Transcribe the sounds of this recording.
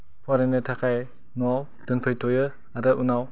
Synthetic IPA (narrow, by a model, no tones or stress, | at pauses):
pʰɔɾenɯtʰakʰaj | nɔw | d̥ɯnpʰɯjtʰɔjɯ | aɾɯʔunaw